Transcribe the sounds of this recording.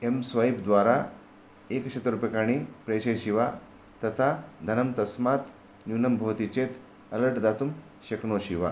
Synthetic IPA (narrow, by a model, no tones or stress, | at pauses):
emsʋajibd̪ʋaɾa | ekɕet̪əɾupekaɽ̃ipɾeɕəjɕiʋa | t̪ɐt̪ʰad̪ʱɐnəmt̪ɐsmat̪ | nunəmbʱoʋt̪it͡ɕet̪ | ələɾʈd̪at̪um | ɕeknoɕiʋa